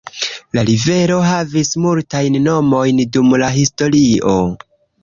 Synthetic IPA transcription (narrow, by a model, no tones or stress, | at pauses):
laɾive̞ɾo̞ɦavismultajnːo̞mo̞jndumlaɦisto̞ɾio̞